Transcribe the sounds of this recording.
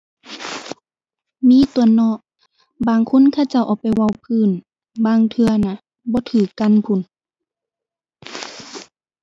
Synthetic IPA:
miː˧˥˨t̪u˨˧˩ɐnɔ˧˨ʔ | baː˨˩ŋkʰo˧˥˨nkʰa˧˥˩wt͡ɕa˧˩wʔɔ˨˧˩pa˨˩jwa˧˩wpʰɯː˧˥˨n | baː˧˥ŋt̪ʰɯ˧ɐna˧˥ | bɔː˧˦t̪ʰɯː˨˩kːa˧˥˨npʰu˧˩˨n

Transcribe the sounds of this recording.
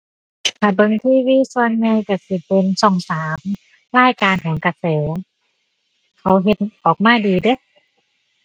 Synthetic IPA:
kʰa˧˩bɤ˧ŋt̪ʰiː˧˩˨wiː˧˥˨su˧ənːa˧jka˧˩si˧˩pe˧nsɔ˨˩ŋsaː˨˦m | laː˥˩jkaː˧nkʰɔː˨˦ŋka˧˩sɤː˨˦ | kʰa˨˦wɦe˧˦t̪̚ʔɔː˨˩k̚maː˧˥˩diː˧dɯ˧˥˨

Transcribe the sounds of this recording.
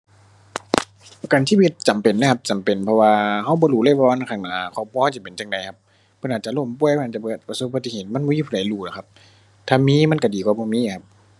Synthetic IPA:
pa˨˧ka˨nsiː˧˥wi˧˦t̪̚t͡ɕa˨˩mpe˨nːa˧˦kʰa˧p̚t͡ɕa˨mpe˨˩˨npʰɔ˧waː˧ɦa˧˩wbɔː˧˦duː˧˩lɤ˧˩˨wɔː˧na˧˨kaː˧˩ŋnaː˨˦kʰɔː˧˩˨p̚ʰu˧˨ha˧˨t͡ɕ̬i˧˦˨pe˨nt͡ɕa˨˩ŋda˨jkʰa˧˦p̚ʰː | ɤ˧˥nʔaː˨˩t̚t͡ɕa˧˨lo˧˩˨mpu˧˨jʰa˧˨aː˨˩t͡ɕa˧pɤː˧˩t̪̚pa˧so˧˦p̚ba˧t̪ːi˧˨eː˧˨˩t̪̚ma˧˥˨nbɔː˧˦jiː˧pʰːa˨˦jluː˧˩˨la˨˩kʰa˧p̚ | t̪ʰaː˧miː˧˥˨ma˧˥˨nka˧˩diː˨kwaː˧˦bɔː˧˦miː˧˥˨a˧p̚

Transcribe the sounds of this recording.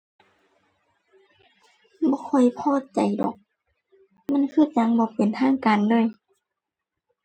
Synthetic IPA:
bɔː˧˦kʰɔ˧˩jpʰɔː˧˩˨t͡ɕa˨jdɔ̰ː˨˩˦k̚ | ma˧˥˨nkʰɯː˧˥˨t͡ɕa˧˥ŋbɔː˧˦pe˨nt̪ʰaː˧˥˨ŋkaː˨ndɤː˧˥˨j

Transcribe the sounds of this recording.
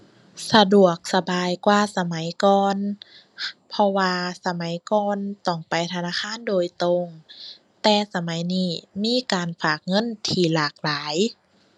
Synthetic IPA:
sa˧du˨˩ək̚sa˧baː˨jkwaː˧sa˧ma˨˦jkɔː˧n | pʰɔ˧waː˧sa˧ma˨˦jkɔː˧nt̪ɔ˧˩ŋpa˨jt̪ʰa˧naː˧˥˨xʰaː˧˥˨ndoː˧jt̪o˧ŋ | t̪ɛː˧sa˧ma˨˦jniː˧˥˩miː˧˥˨kaː˨nfaː˨˩k̚ŋɤ˧˥˨nt̪ʰiː˧˩laː˨˩k̚laː˨˦j

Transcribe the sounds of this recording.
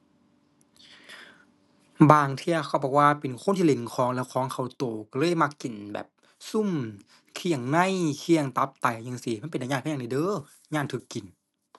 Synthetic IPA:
baː˧˩ŋt̪ʰi˧ɐ˧kʰa˧˩wbɔː˧˩k̚waː˧˨pe˨˩nkʰnt̪ʰiː˧˨le˨˧˩nkʰɔː˨˦ŋlɛ˧˩wkʰɔː˨˦ŋkʰa˧˩wt̪oː˨˩ka˧˩lɤː˧˥˨jma˧kːi˨˩nbɛ̰ː˨˩p̚ | su˧˨m | kʰi˧˩əŋna˧˥˨jkʰi˧əŋt̪a˧˦p̚t̪a˨˩jɲa˧˨ŋsi˧˦ma˧˨pe˨naː˨ɲaː˧˩˧ni˧˩dɤː˧˦˨ | ɲaː˧˨nt̪ʰɯ˧˦kːi˨˩n

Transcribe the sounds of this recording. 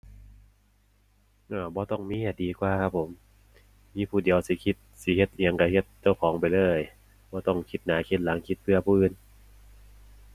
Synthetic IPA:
ʔaː˧˩bɔː˧˦t̪ɔ˧˩ŋmiː˦˥ja˧˩diː˨˧kwaː˧kʰa˦˥p̚ʰːo˨˩˦m | miː˧˥pʰuː˧˩di˨əwsi˧˦kʰi˧˥t̪̚si˧˦he˧˦t̪̚ʔi˧ə˧ŋka˧˩he˧˩t̪̚t͡ɕa˧˩wkʰɔː˩˦ŋpa˧˨jlɤː˧˥˩j | bɔː˧˦t̪ɔ˧˩ŋkʰi˧˩t̪̚naː˨˦kʰi˧˥t̪̚la˨˦ŋkʰi˧˥t̪̚pʰɯ˧˩ɐpʰuː˧˨ʔɯː˧˩n

